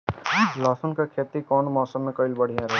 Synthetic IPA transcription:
lɔːsənkakʰeːt̪ikɔnmɔːsəmːẽkəɪlbəɽ̤ijãɾɐɦ

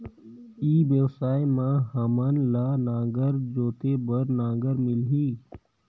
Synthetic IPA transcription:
iːbjəwsaːjmãɦəmənlaːnãːɡəɾd͡ʒoːt̪ebəɾnãːɡəɾmɪlɦiː

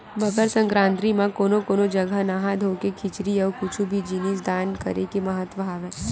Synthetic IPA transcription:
mɐɡəɾsə̃ŋkɾãːnt̪ɾimãkoːnokoːnod͡ʒəɡʱənaɦad̪ʱoːkekʰɪt͡ʃɾiɔːɾkʊt͡ʃʰubʱid͡ʒinis̬d̪aːnkɐ̰ɾekemɐɦət̪ʋəɦaːʋɛː

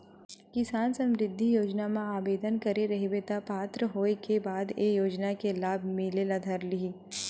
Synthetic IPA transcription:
kɪsaːnsɐ̃mɾɪd̪ʱːijoːd͡ʒnamãaːbeːd̪ənkɐɾeɾɐɦibet̪apaːt̪ɾəɦoːekebaːd̪eːjoːd͡ʒnakelaːbʱmɪlelad̪ʱɐɾlii

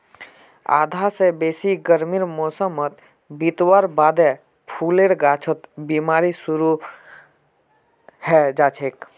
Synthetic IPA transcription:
a̰ːd̪ʱasebesiɡəɾmiɾmosəmət̪ | bit̪waɾbad̪e | pʰuleɾɡat͡ʃʰət̪bimaːɾisuɾu | hɛd͡ʒaːt͡ʃʰek

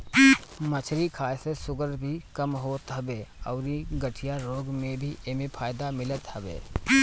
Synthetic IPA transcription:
mət͡ʃʰɾikʰaːjsesʊɡəɾbʱikəmɦot̪ɦəbeə̰ʊɾiɡəʈʰijaɾoːɡmebʱiʔemepʰaːjd̪amɪlət̪ɦəbḛ

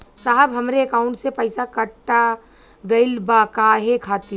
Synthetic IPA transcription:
saɦəbɦɐmɾeːkaːʊ̃ɳʈsepɐɪsakɐʈːa | ɡɐɪlbakaːɦekʰaːt̪i

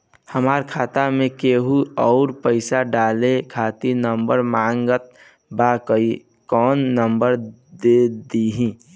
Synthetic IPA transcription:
həmaːɾkʰaːt̪amẽkeːɦuɔʊɾpəɪsaɖaːlekʰaːt̪inəmbəɾmaːŋɡət̪̚ | bakəi | kɔːnːəmbəɾ | d̪ed̪iɦĩː

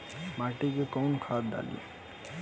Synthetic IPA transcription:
maːʈikekɔːnkʰaːt̪̚d̪a̰ːlḭ

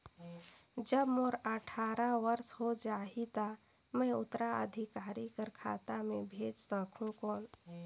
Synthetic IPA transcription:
d͡ʒəbmoɾəʈʰaːɾaʋəɾsɦod͡ʒaːit̪a | mɛ̃ʊt̪ɾaə̰d̪ʱikaːɾikəɾkʰa̰ːt̪amẽbʱeːd͡ʒsəkʰũkoːn

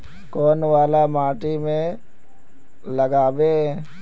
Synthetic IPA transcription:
koːnʋaːlamaːʈimẽ | ləɡaːbe

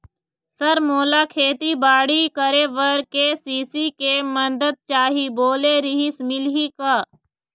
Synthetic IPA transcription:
səɾmoːlaːkʰeːt̪ibaːɽikəɾeʋəɾkesiːsikemɐd̪əd̪̚t͡ʃaːɦiboːleɾɪɦɪsmɪlɦikaː

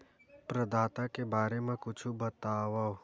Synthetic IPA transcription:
pɾɐd̪aːt̪akebaːɾemẽkʊt͡ʃʰubɐt̪aːʋao

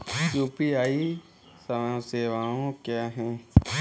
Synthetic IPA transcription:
juːpiaːi | sə̃seːʋaːõkjaːɦɛ̃ː

